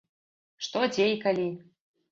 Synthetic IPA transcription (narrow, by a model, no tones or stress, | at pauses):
ʂt̪ɔd͡zʲejkalʲi